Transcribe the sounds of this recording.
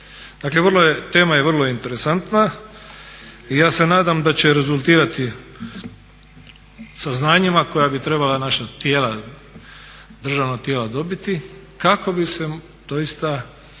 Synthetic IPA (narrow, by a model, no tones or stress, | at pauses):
d̪̥aːkleʋrlojet̪e̞ːmajeʋərlˠoint̪e̞ɾesant̪na | ijaːse̞naːd̪amd̪at͡ɕeɾe̞zulˠt̪iːɾat̪i | saznaːɲimako̞jabit̪ɾe̞balanaʃat̪jeːla | d̪r̩ʒaʋnoɡ̚t̪je̞ːlad̪o̞bit̪i | kako̞bise | d̪̥o̞jist̪a